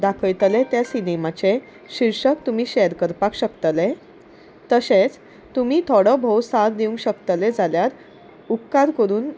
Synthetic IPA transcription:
d̪akʰəjt̪əlet̪jasinemat͡se | ɕiɾʂək̚t̪umiːɕeəɾkəɾpakɕəkt̪le | t̪əset͡s | t̪umiːt̪ʰoɽəbʱowsaɾd̪iũŋɡɕəkt̪əled͡zaljaɾ | up̚kaɾkəɾuːn

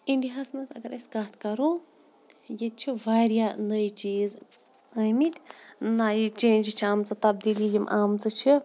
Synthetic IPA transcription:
ĩndiɦɐsmɐnsɐ̰ɡɐɾʔɐsʲkat̪kɐɾu | jet̪̚t͡ʃʰiʋaɾjanəjt͡ʃiːz | əjmit̪ʲnajit͡ʃẽd͡ʒit͡ʃʰiaːmt͡sɨt̪ɐbd̪iːljijimʔaːmt͡sɨt͡ʃʰi

